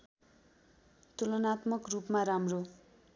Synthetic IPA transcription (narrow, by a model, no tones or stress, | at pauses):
t̪ulonat̪mʌkrupmaɾamro